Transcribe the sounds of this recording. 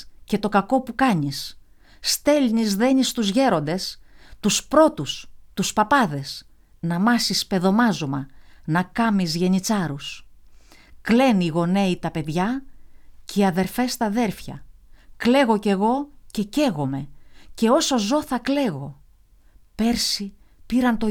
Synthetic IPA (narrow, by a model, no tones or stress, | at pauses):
ce̞t̪o̞kɐko̞pukɐɲis | st̪e̞lnizðe̞ɲist̪uzʝe̞ɾo̞nd̪e̞st̪uspɾo̞t̪ust̪uspɐpɐðe̞s | nɐmɐsispe̞ðo̞mɐzomɐnɐkɐmizʝe̞ɲit͡sɐɾus | kle̞niɣo̞ne̞it̪ɐpe̞ðʝɐ | ceiɐðe̞ɾfe̞st̪ɐðe̞ɾfçɐ̰kle̞ɣo̞ce̞ɣo̞ce̞ce̞ɣo̞me̞ce̞o̞so̞zo̞θɐkle̞ɣo̞ | pe̞ɾsi | piɾɐnt̪o̞